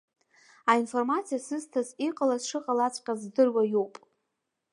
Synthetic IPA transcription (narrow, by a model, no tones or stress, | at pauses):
ainformat͡sʰijasɨztʰaziqʼalazʂɨqʼalat͡sʷʰʼqʲʼazdɨrwajowpʼ